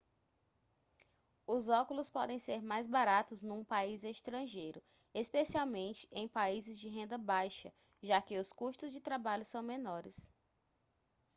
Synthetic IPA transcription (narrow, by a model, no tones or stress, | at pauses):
ʊzɔkʊlʊspɔd̪ẽj̃seɾmajzbaɾat̪ʊznũpaizest̪ɾɐ̃ʒejɾʊ | espesiawmẽnt͡ʃɪ̥ẽj̃paizɪzd͡ʒɪɦẽnd̪ɐbajʃɐ̰ | ʒakɪʊskuʃt̪ʊzd͡ʒɪt̪ɾabaʎʊsɐ̃w̃mẽnɔɾɪs